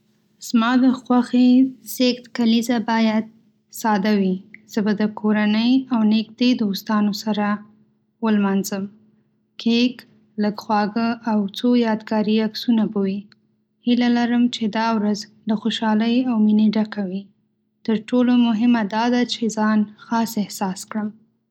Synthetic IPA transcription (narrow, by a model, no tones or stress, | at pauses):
z̥mɑd̪əxwaxez̥ext̪kalizabɑjad̪̚ | sɑd̪awiz̥əbad̪əkʰoɾanəjawnekd̪ed̪ost̪ɑnosaɾa | wəlmɑnzəm | kʰek | ləɡxwɑɡəʔawt͡sojɑd̪ɡɑɾiaksunabowi | hilalaɾəmt͡ʃed̪ɑwɾazlaxoʃɑləjawmineɖakawi | t̪əɾʈolomʊɦɪmad̪ɑd̪at͡ʃezɑnxɑsɪhsɑskɽəm